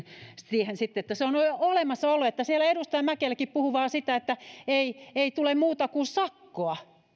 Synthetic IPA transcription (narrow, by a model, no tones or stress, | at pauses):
st̪iehensit̪ːeet̪ːæseonoolemɑsːɑolːuet̪ːæsielæedust̪ɑjɑmækelækippuhuʋɑːsit̪æet̪ːæeieit̪ulemmuːt̪ɑkusɑkːoɑ